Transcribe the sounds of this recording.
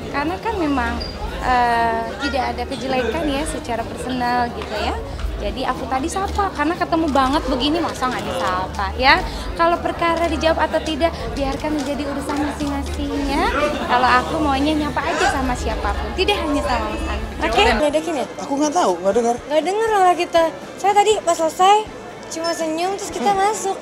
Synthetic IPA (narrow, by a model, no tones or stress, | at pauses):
karnakanmemaŋ | ʔəːt̪idaːdakəd͡ʒəlajkanjasət͡ʃaɾapərsənəlɡit̪uja | d͡ʒadiakut̪adisapakarnakət̪əmubaŋət̪̚bəɡinimasaŋadasapaja | kalopərkaɾadid͡ʒawapat̪awt̪idaʔ | biarkanməɲd͡ʒadiuɾusanɲasɪhŋasɪhjakaloakumaaɲaɲapaːd͡ʒasamasiapapʊnt̪idaʔɦaɲasalamʔanokeɡadakiniakuŋɡat̪auŋɡaʔdəŋərŋɡadəŋəralahkit̪a | sajat̪adipasalsaj | t͡ʃumasəɲʊŋt̪ɾʊskit̪amasʊk̚